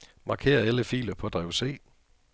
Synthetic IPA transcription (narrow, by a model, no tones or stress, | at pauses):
mɑ̈kʰe̝̰ːɐæləfḭːlɐpʰɒ̽d̥ʁɛʊse̝̰ː